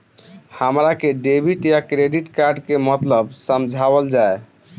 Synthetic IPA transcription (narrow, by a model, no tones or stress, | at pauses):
həmɾakeɖebʱiʈjakɾeɖiʈkaɾɖkemət̪ləbsəmd͡ʒʱabəld͡ʒae